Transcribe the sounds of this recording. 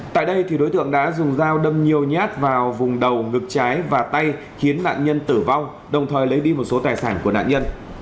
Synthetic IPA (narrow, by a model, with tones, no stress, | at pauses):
t̪a̰ː˧˨jɗə˧jt̪ʰi˨˩ɗo˨˦jt̪ɨ̰˧˨əŋɗa̰ː˧˥zʊ˨˩ŋ͡mzaː˧wɗə˧mɲi˨˩əwɲaː˦˥t̚vaː˨˩wvʊ˨˩ŋ͡mɗə˨˩wŋɨ˨˩k̚t͡ɕaː˨˦jvaː˨˩t̪a˧j | xi˨˦ənːa̰ː˧˨nɲə˧nt̪ɨ˧˩va˧w | ɗə˨˩wŋ͡mt̪ʰəː˨˩jlə˨˦jɗi˧mo˨˩t̚so˨˦t̪aː˨˩jsaː˧˩nku˧˩əna̰ː˧˨ɲə˧n